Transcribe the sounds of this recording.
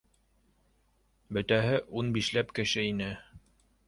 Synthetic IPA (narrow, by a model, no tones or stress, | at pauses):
bɵ̆t̪æɦɘʔunbiʃlæpkɘ̆ʃɘinɘ